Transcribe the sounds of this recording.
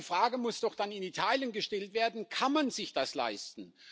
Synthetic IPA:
fʁ̥aːɡəmʊsd̥ɔχd̥anɪnitʰaːljənɡəʃtɛltv̥eːɐdn̩kʰanmanzɪçd̥asla̰ɪstn̩

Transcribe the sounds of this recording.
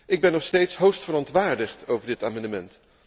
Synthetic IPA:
ʔɪɡ̚bɛnːɔχstejtsɦowstfəɾɔntʋaːɹdəχtowvəɹdɪtaːmɑndəmɛnt

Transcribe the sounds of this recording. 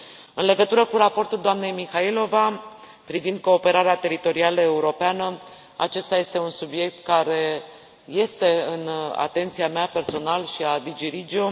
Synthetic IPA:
ɨnle̞ɡət̪uɾəkuɾapo̞rt̪uld̪oamne̞jmixailo̞va | pɾivind̪̚ko̞ːpe̞ɾaɾeat̪e̞ɾit̪o̞ɾialəe̞uɾo̞peanə | a̰t͡ʃe̞st̪aje̞st̪e̞unsubje̞k̚t̪kaɾe̞ | je̞st̪e̞ɨna̰t̪e̞nt̪siameape̞rso̞nalʃiad̪id͡ʒiɾid͡ʒio

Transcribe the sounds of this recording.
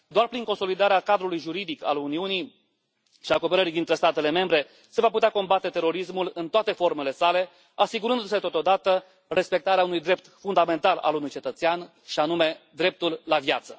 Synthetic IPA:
d̪oarpɾiŋko̞nso̞lid̪aɾeakad̪ɾulujʒuɾid̪ika̰luniunij | ʃiako̞pe̞ɾəɾid̪int̪ɾest̪at̪e̞le̞me̞mbɾe̞ | se̞vaput̪eako̞mbat̪e̞t̪e̞ɾo̞ɾismulɨnt̪oat̪e̞fo̞rme̞le̞sale̞ | asiɡuɾɨnd̪use̞t̪ot̪o̞d̪at̪ə | re̞spe̞k̚t̪aɾeaunujd̪ɾe̞p̚t̪fund̪ame̞nt̪ala̰lunujt͡ʃe̞t̪ət̪sean | ʃianume̞d̪ɾe̞p̚t̪ulːavjat̪sə

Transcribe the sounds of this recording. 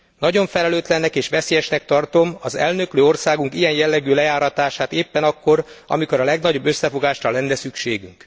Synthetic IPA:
nɒɟo̞ɱfɛlɛløːt̪lɛnːɛkeːʃʋɛseːjɛʃnɛk̚t̪ɒrt̪o̞mɒzɛ̰lnø̞kløːo̞rsaːɡuŋkijɛnjɛlːɛɡøːlɛjaːɾɒt̪aːʃaːt̪eːpːɛnɒkːo̞ɾɒ̰miko̞ɾɒlɛɡnɒɟo̞bːøsːɛfo̞ɡaːʃrɒlɛnːɛsykʃeːɡyŋk

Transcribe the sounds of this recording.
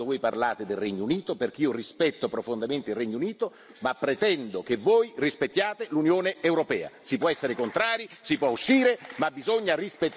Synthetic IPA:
ovoːjparlaːt̪ed̪elrɛɲːouniːt̪operk̟iːorispɛt̪ːopɾofond̪ament̪eilrːɛɲːouniːt̪o | mapːɾet̪ɛnd̪okevːoːjrispet̪ːjaːt̪elunjoːneewɾopɛːa̰sipːwɔɛsːeɾekont̪ɾaːɾisipwɔuʃːiːɾemabːizoɲːarispet̪ː

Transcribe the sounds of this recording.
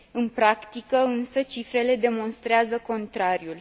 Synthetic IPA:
ɨnpɾakt̪ikəɨnsət͡ʃifɾe̞le̞d̪e̞mo̞nst̪ɾeazəko̞nt̪ɾaɾjul

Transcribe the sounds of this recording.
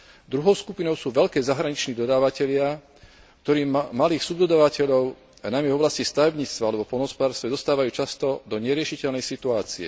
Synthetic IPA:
d̪ɾuɦɔʊskupinɔʊsuːʋɛʎkɛːzaɦɾaɲit͡ʃniːd̪ɔd̪aːʋacɛʎɪa | k̚t̪ɔɾiːmaliːxsubd̪ɔd̪aːʋacɛʎɔʊ | anajmɛvɔblascist̪aʋɛbɲiːt͡st̪ʋaalɛbɔpɔnɔspɔd̪aːɾst̪ʋɛɔst̪aːʋajuːt͡ʃast̪ɔd̪ɔɲɛɾɪɛʃicɛʎnɛjsit̪uaːt͡siɛ̰

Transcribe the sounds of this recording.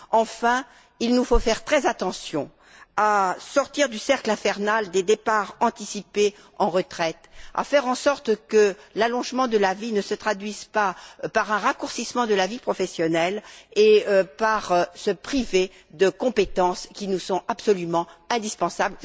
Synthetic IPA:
ɑ̃fɛ̃ | ilnufofɛʁt̪χɛzat̪ɑ̃sjɔ̃ | asɔʁt̪iʁd̪ysɛʁklɛ̃fɛʁnald̪ed̪epaʁɑ̃t̪isipe | ɑ̃ʁət̪χɛt̪a̰fɛʁɑ̃sɔʁt̪kəlalɔ̃ʒmɑ̃d̪əlavinəsət̪χad̪ɥizpapaʁɛ̃ʁakuʁsismɑ̃d̪əlavipχɔfɛsjɔnɛleøpaʁsəpχive | d̪əkɔ̃pet̪ɑ̃skʲinusɔ̃apsɔlymɑ̃ɛ̃d̪ispɑ̃sabl

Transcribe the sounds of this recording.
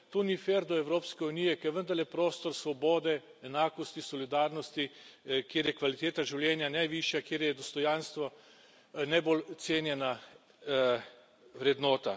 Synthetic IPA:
t̪onifeːɾd̪ɔɛwɾoːpskɛunijɛkɛʋənd̪aɾlɛpɾoːst̪ɔɾsʋɔboːd̪ɛː | naːkɔst̪isɔlid̪aːɾnɔst̪ikjeːɾjɛkʋalit̪eːt̪aʒiwljɛnjanajʋiʃjakjeːɾjɛd̪ɔst̪ɔjanst̪ʋɔ | najbolt̪seːnjɛna | ʋɾɛd̪nɔːt̪a

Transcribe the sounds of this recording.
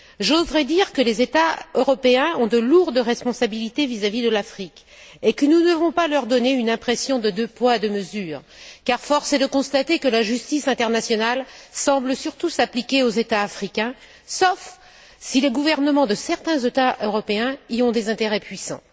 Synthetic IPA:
ʒozʁɛd̪iʁkəlezet̪aøʁɔpeɛ̃ɔ̃d̪əluʁd̪əʁɛspɔ̃sabilit̪evizavid̪əlafχikʲ | ekənud̪əvɔ̃palœʁd̪ɔneynɛ̃pχesjɔ̃d̪əd̪øpwad̪əməzyːʁ | kaʁfɔʁsed̪əkɔ̃st̪at̪ekəlaʒyst̪isɛ̃t̪ɛʁnasjɔnalsɑ̃bləsyʁt̪usaplikʲeozet̪aːfχikʲɛ̃ | sɔf | sileɡuvɛʁnəmɑ̃d̪əsɛʁt̪ɛ̃zet̪aʔøʁɔpeɛ̃iɔ̃d̪ezɛ̃t̪eʁɛpɥisɑ̰̃

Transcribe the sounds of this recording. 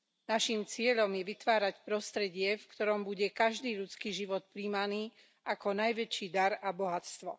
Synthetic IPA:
naʃimt͡sɪɛʎɔmjɛʋit̪ʋaːɾacpɾɔst̪ɾɛɟɪɛfkt̪ɔɾɔmbuɟɛkaʒd̪iːʎut͡skiːʒiʋɔt̪̚pɾiːmaniː | ʔakɔnajʋɛt͡ʃiːd̪aɾabɔɦat͡st̪ʋɔ̰

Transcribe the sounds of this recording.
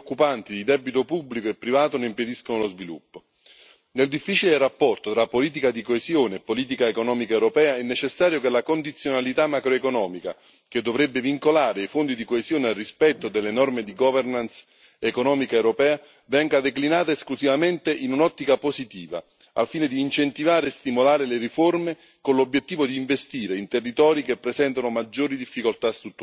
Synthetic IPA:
okːupant̪id̪id̪ɛbit̪opubːlikoepːɾivaːt̪oneimped̪iskonolozvilṵpːo | neld̪ifːit͡ʃilerapːɔrt̪ot̪ɾapːoliːt̪̬ikad̪ikoezjoːneːpːoliːt̪̬ikaekonɔːmikaewɾopɛːaɛnːet͡ʃesːaːɾjokelakond̪it̪sːjonalit̪amːakɾoekonɔːmika | k̟ed̪ːovɾɛbːeviŋkolaːɾeijfond̪id̪ikoezjoːnealrispɛt̪ːod̪elːenɔrmed̪iɡɔvernans | ekonɔːmikaewɾopɛːa | vɛŋɡad̪eklinaːt̪aesklusivament̪eʔinunɔt̪ːikaposit̪iːva̰ | a̰lfiːned̪iːnt͡ʃent̪ivaːɾeːst̪imolaːɾeleɾiforme | konlobːjet̪ːiːvod̪iːɱvest̪iːɾeint̪erːit̪ɔːɾik̟epːɾesɛnt̪anomad͡ʒːoːɾid̪ifːikolt̪ast̪ɾut̪ːu

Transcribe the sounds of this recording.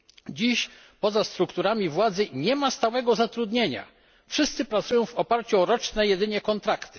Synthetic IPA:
d͡ʑiɕ | pɔzast̪ɾukt̪uɾamʲivwad̪zɘɲɛmast̪awɛɡɔzat̪ɾud̪ɲeɲa̰ | fʂɘst̪sɘpɾat̪sujɔ̃w̃vɔpaɾt͡ɕuɔɾɔt͡ʂnɛjɛd̪ɘɲɛkɔnt̪ɾakt̪ɘ̥

